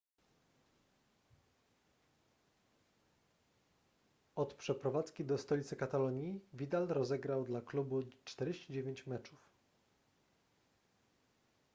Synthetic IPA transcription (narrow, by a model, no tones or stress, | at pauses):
ɔt̪pʂɛpɾɔvat̪skʲid̪ɔst̪ɔlʲit̪sɘkat̪alɔɲivʲid̪alɾɔzɛɡɾawd̪laklubut͡ʂt̪ɛɾd͡ʑeɕt͡ɕid͡ʑevʲjeɲt͡ɕmɛt͡ʂuf